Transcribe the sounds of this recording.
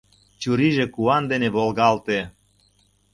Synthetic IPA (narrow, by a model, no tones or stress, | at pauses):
t͡ɕuɾiʒekuɑnd̪eneβolɣɑlt̪e